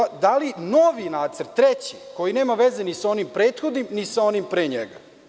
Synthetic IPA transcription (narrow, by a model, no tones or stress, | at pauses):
d̪alinoʋinaːd̪zəɾt̪ːɾet͡ɕiko̞jine̞ːmaʋezenisao̞nimpɾeːt̪xod̪nimnisaonimpɾeːɲḛɡa̰